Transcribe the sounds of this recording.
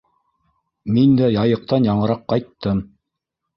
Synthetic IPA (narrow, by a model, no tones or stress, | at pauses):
mind̪æjɑjɤ̆q̚t̪ɑnjɑɴɤ̆ɾɑqːɑjt̪ːɤm